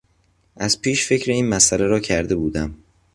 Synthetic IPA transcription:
ʔæzpʰiːʃfe̞cʰɾeiːnmæsæleɾɒːcʰæɾd̪e̞buːd̪æm

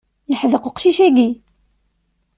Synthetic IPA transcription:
jəħðəqəqʃiʃæɡi

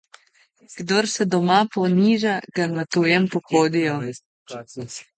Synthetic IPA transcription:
ɡ̥d̪oɾsɛd̪ɔmapɔniːʒaɡanat̪ujɛmpɔxoːd̪ijɔ

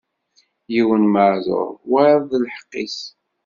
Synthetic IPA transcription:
jiwənməʕzˤo̰ɾˤwæɾðlħə̥qːis

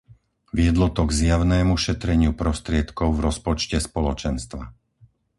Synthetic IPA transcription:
ʋɪɛd̪lɔt̪ɔɡzjaʊnɛːmuʃɛt̪ɾɛɲɪupɾɔst̪ɾɪɛt̪kɔʊvɾɔspɔt͡ʃcɛspɔlɔt͡ʃɛnst̪ʋa

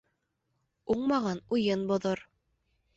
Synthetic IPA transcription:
uɴmɑʁɑnujɤnbŏðoɾ

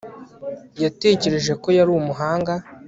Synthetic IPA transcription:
jate̞ce̞ɾe̞ʒe̞ko̞jaɾuːwumuɦaːŋɡa

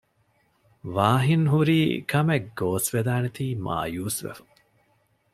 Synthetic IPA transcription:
ʋaːɦinɦuɾiːkʰɐmeɡoːsʋed̪aːnet̪iːmʔa̰ːjuːsʋḛfu̥

